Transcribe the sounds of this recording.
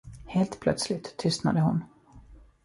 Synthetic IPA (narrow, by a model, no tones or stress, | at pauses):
heːlt̪pʰlœ̰t̪slɪt̪ʰːʏst̪na̰d̪əhʊ̰n